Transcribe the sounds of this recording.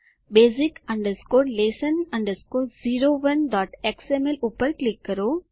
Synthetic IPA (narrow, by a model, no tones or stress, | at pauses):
beːzɪkɐ̃ɳɖəɾskoːɾleːsɐnɐ̃ɳɖəɾskoːɾziːɾoːʋɐnɖɔːʈeksemeluːpːəɾklikːɐɾoː